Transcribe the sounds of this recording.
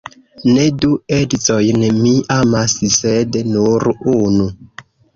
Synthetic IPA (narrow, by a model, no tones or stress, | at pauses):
neduedit͡sojnmiamassednuɾunu